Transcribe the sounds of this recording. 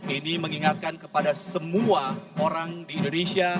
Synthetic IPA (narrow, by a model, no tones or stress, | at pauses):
iniməŋiŋat̪̚kankəpadasəmuaoɾaŋdiːndonesia